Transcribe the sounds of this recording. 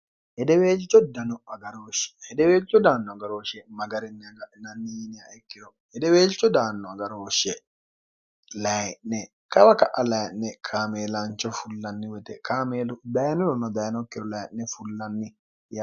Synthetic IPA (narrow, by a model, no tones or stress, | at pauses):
ɛdɛweːlt͡ʃːɔdanɔaɡaɾoːʃɛ̥hɛdɛweːlt͡ʃːɔdaːnːɔaɡaɾoːʃɛmaɡaɾɛnːɛaɡananːijniaʔɛkːiɾɔ | hɛdɛweːlt͡ʃːɔdaːnːɔaɡaɾoːʃɛ | lajɛʔnɛ | kawakaʔalajnnːɛkʰaːmɛlant͡ʃɔfulːanːiwɛt̪ɛkʰaːmeːludajnɔɾɔnɔd̪ajnɔkːiɾɔlajɛʔnɛfulːanːi | ja